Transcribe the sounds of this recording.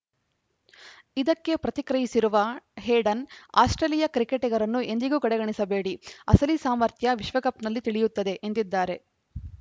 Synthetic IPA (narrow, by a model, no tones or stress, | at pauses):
id̪ɐkːe̞pɾɐt̪ikɾɐjisiɾuʋɐɦeːɖɐna̰ːsʈɾɐlijɐkɾikeʈɛɡɐɾɐnːuʔe̞nd̪iɡuːkɐɽɛɡɐɳisɐbe̞ːɽiɐsɐlisaːmɐɾt̪ʰjɐʋiʃʋɐkɐpnɐlːit̪iɭijut̪ːɐd̪e̞ʔend̪id̪ːaːɾe̞